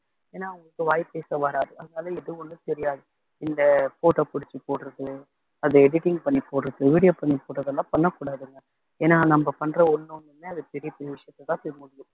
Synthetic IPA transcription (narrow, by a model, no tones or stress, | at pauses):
eːnːaːɐʋɐŋɡɐɭɯkːɯʋaːjpeːsɐʋɐɾaːɾɯʔɐðɐnaːlɐɪðɯɔnːɯt̪ɛɾɪjaːðɯ | ɪnd̪ɐpoːʈːɐpʊɽɪt͡ʃːɯpoːʈɾɐðɯ | ɐðɯɛɽɪʈɪŋɡpɐɳːipoːʈɾɐðɯʋiːɽɪjoːpɐɳːipoːʈːɾɐðɐlːãːpɐɳːɐkuːɽaːðɯŋɡɐ | eːnːaːnɐmbɐpɐnːɾɐɔnːɯɔnːɯmeːɐðɯpɛɾɪjɐpːɛɾɪjɐʋɪʂɐjɐt̪ːɐt̪ːãːpɛɾɯmʊɽɪjʊ̃